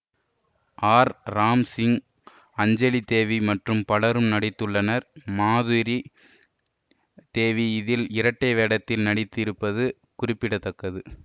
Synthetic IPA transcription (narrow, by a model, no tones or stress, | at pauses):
ʔaːɾɾaːmsɪŋ | ɐɲd͡ʒɐlit̪eːʋimɐʈrɯmpɐɭɐɾɯmnɐɽɪt̪ːɯɭːɐnɐɾmaːðɯɾi | t̪eːʋiɪðɪlɪɾɐʈːɐɪʋeːɽɐt̪ːɪlnɐɽɪt̪ːɪɾɯpːɐðɯ | kʊrɪpːɪɽɐt̪ːɐkːɐðɯ